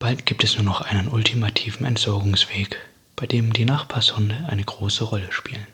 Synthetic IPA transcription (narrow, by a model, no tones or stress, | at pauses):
b̥altɡ̥iːp̚tɛsnuːɐnɔχʔaɪnənʔʊltʰimatʰiːvn̩ɛ̰ntz̥ɔɐɡʊŋsv̥eːk | b̥aɪdeːmdiːnaχb̥ʰaːɐshʊndəʔaɪnəɡʁoːsəʁɔləʃpiːlən